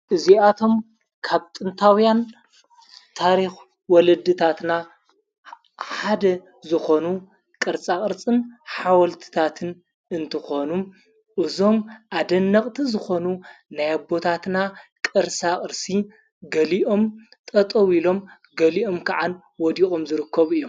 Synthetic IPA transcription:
ʔɨziat̪ʰo̞m | kʰaβt̪ʼɨnt̪ʰawjan | t̪ʰaɾix | wɔlɐd̪ːɨt̪ʰat̪na | ħad̪ɐ | zɨxo̞nu | kʼɨɾt͡sʼakʼɨɾt͡sʼɨnħawɐlt̪ʰɨ̥t̪ʰat̪ʰɨn | ɨnt̪ʰɨxo̞nu | ʔɨzo̞mʔad̪ɐnːɐχʼt̪ʰizɨxo̞nunajabːo̞t̪ʰat̪nakʼɨɾsʼakʼɨɾsi | ɡɐliʔo̞mt̪ʼɐt̪ʼowilo̞m | ɡɐliʔo̞mkʰaʕan | wɔd̪ixʼo̞mzɨɾɨkʰːɐβɨjːo

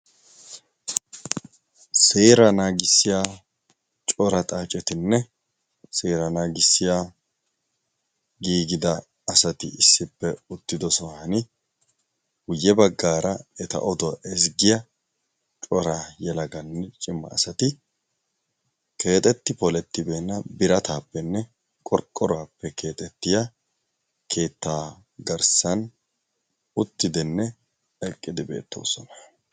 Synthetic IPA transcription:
seːɾɐnaːɡɪsːɪjaː | t͡ʃʼɔɾɐt̪ʼaːt͡ʃʼɛt̪ɪnːɛ | seːɾɐnaːɡɪsːɪja | ɡiːɡɪd̪ɐː | sɐt̪ɪɪsːɪpːɛʊt̪ːɪd̪ɔsɔhɐnɪ | ɡʊjːɛbɐɡːaːɾɐɛt̪ɐ̰ʔɔd̪ɔʔɛsɡɪjɐ | t͡ʃʼɔɾaːjɛlɐɡɐnːɛt͡ʃʼɪmːɐ̰ːsɐt̪ɪ | ke̞ːt̪ʼɛt̪ːɪpɔlɛt̪ːɪbe̞ːnːɐbɪɾɐt̪aːpːɛnːɛ | kʼɔɾkʼːɔɾaːpːɛkʰe̞ːt̪ʼɛt̪ːɪja | kʰe̞ːt̪ːaː | ɡɐɾsɐn | ʊt̪ːɪd̪ɪnːɛ | ɛkʼːɪd̪ɪbe̞̰ːt̪ːo̞̰ːsɔnɐ̥

